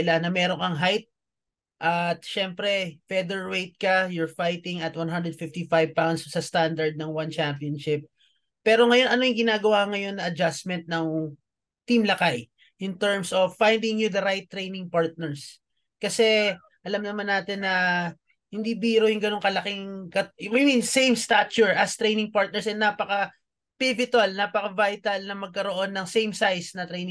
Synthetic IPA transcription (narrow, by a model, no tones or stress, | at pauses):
lanɐmɛːɾo̞ŋkɐŋɦajt̪̚ | ʔɐt̪̚ʃɛmpɾɛfɛd̪ɛɹwejt̪̚kɐjʊɹfajt̪ɪŋɐt̪wanɦand̪ɾɛd̪̚fɪft̪ifajvpawnd̪sːɐst̪and̪ɐɹd̪̚nɐŋwant͡ʃampionʃɪp̚ː | ɛːɾo̞ŋɐjo̞nɐnojʊŋɡɪnaːɡɐwaŋɐjo̞nːɐʔɐd͡ʒasmɛnt̪̚nɐŋ | t̪imlɐkaj | ʔɪnt̪ɛɹmsofːajnd̪ɪŋjʊd̪ɐɾajt̪ːɾejnɪŋpaɹt̪̚nɛɹs | kɐsɛ | ʔɐlɐmnɐmanːaːt̪ɪnːɐ | hɪnd̪iːbiːɾojʊŋɡɐno̞ŋkɐlɐkɪŋkɐʔajmĩnsẽjmst̪at͡ʃʊɹʔɐst̪ɾejnɪŋpaɹt̪̚nɛɹsɛnːapɐkɐ | pɪvɪt̪ɐlnaːpɐkɐvajt̪ɐlnɐmɐɡ̚kɐɾoʔo̞nːɐŋsejmsajsnɐt̪ɾejnɪ̃